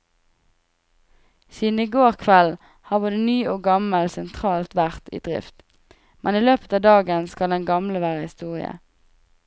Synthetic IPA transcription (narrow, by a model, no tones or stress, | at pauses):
siːd̪n̩iɡoːʁkʰʋɛl | hɑːʁboːd̪ənyːʔoːɡɑməlsɛnt̪ʰʁɑːlt̪ʋæʁt̪ḭːd̪ʁɪ̰ft̪ | mʔɛniːløːpə̥t̪ɑːd̪ɑːɡənskɑld̪ɛnɡɑmləʋæːʁəhɪst̪uːʁɪ̰ə̰